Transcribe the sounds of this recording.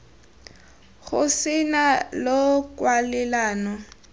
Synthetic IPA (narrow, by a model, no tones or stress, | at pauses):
ɣʊsɪnalɔkwalɛlaːnɔ